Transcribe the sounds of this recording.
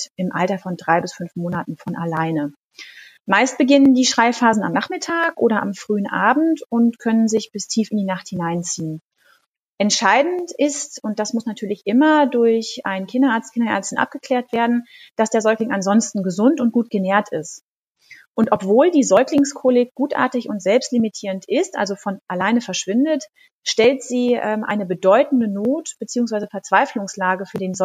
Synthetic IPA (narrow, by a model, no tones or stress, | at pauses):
ʔɪmʔaltɐfɔndʁaɪbɪsfʏnfmoːnatn̩fɔnʔalaɪnə | maɪst̚b̥əɡɪnəndiːʃʁ̥aɪfaːzn̩a̰mnaχmɪtʰaːkʔoːɾɐʔa̰mfʁ̥yːənʔa̰ːbm̩tʊntkʰœnənzɪçb̥ɪstʰiːfɪndiːnaχthɪnaɪnt͡siːən | ʔɛntʃaɪdn̩tʔɪstʊnt̚d̥asmʊsnatʰyːɐlɪçʔɪmɐdʊɐçʔaɪnkʰɪndɐʔaɐt͡skɪndɐʔɛ̰ɐt͡stn̩ʔa̰p̚ɡ̥əkl̥ɛːɐtv̥eːɐdn̩d̥asd̥eːɐzɔʏklɪŋʔanzɔnstn̩ɡəzʊntʊnt̚ɡ̥uːt̚ɡ̥əneːɐtʰɪst | ʔʊntʔɔpv̥oːldiːzɔʏklɪŋskʰolɪk̚ɡ̥uːtʔa̰ːɐtɪçʊntz̥ɛlpstlimitʰiːʁəntʔɪstʔa̰lzofɔnʔalaɪnəfɛɐʃv̥ɪndət | ʃtɛltz̥iːʔɛːmʔa̰ɪnəbədɔʏtn̩dənoːtb̥ət͡siːʊŋsv̥aɪzəfɛɐt͡sv̥aɪflʊŋslaːɡəfyːɐdeːnz